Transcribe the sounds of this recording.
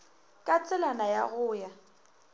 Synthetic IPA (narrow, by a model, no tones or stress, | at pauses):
kʼat͡sʼɛlanajaɣʊːja